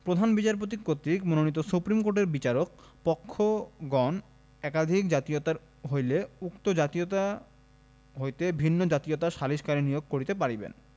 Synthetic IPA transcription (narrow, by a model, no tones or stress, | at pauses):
pɾod̪ʱanbit͡ɕaɾpot̪̬ikot̪ɾikmononit̪̬osupɾimkoɾʈeɾbit͡ɕaɾok̚pɔkʰːoɡɔn | ɛkad̪ʱikd͡ʑat̪iot̪aɾ | ɦojleukt̪od͡ʑat̪ijot̪a | ɦojt̪ebʱinːod͡ʑat̪ijot̪aʃaliʃkaɾinijoɡ̚koɾit̪epaɾibḛn